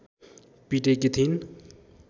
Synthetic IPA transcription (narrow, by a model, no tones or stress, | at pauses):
piʈekit̪ʰin